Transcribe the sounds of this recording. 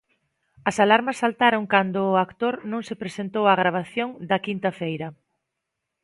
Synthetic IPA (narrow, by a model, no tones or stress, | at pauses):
ɐsalaɾmɐsːalt̪aɾoŋkand̪ʊːakt̪oɾnõŋsepɾesent̪owaɣɾaβ̞aθjoŋd̪ɐkint̪ɐfejɾɐ